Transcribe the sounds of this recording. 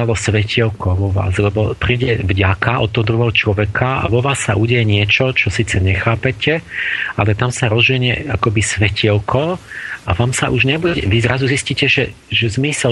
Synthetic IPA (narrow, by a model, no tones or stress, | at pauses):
alɔsʋɛciɛlkɔʋɔʋa̰ːzlʎɛbɔpɾiːɟɛvɟakaʔɔ̰t̪ːɔɦɔd̪ɾuɦɔɦɔt͡ʃlɔʋɛkʰaa̰ʋɔʋaːsːaʔuɟɛjɛɲɪɛt͡ʃɔt͡ʃɔsiːt͡sɛɲɛxaːpɛcɛalɛt̪amsaɾɔzʋiɲɛa̰kɔbisʋɛcʰiɛlkʰɔʔaʋaːmsaʔuʒɲɛbuɛɛʋizɾazuzisciːcɛʒɛ | ʒɛzmisɛ